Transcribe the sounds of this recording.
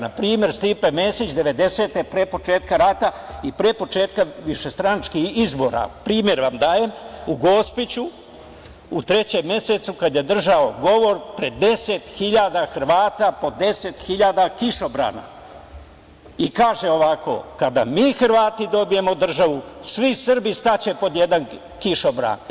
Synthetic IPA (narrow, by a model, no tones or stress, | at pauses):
napɾiːmje̞ɾst̪ipemeːsit͡ɕd̪e̞ʋe̞d̪e̞se̞ːt̪epɾepo̞t͡ʃeːt̪kaɾat̪a | ipɾeːpo̞t͡ʃeːt̪kaʋiʃest̪ɾanat͡ʃkixizbo̞ɾa̰pɾiːmje̞ɾʋamd̪aːjemuɡo̞spit͡ɕu | ut̪ɾe̞t͡ɕemje̞se̞t̪sukad̪je̞d̪r̩ʒao̞ɡo̞ʋo̞ɾpɾe̞d̪e̞set̪xiʎad̪axr̩ʋaːt̪apo̞d̪e̞set̪xiʎaːd̪akiʃo̞bɾa̰ːna̰ | ikaːʒe̞o̞ʋako̞̰kad̪a̰miːxr̩ʋaːt̪id̪o̞bije̞mo̞d̪r̩ʒaʋusʋisr̩bist̪at͡ɕe̞po̞d̪je̞d̪an | kiʃobɾa̰n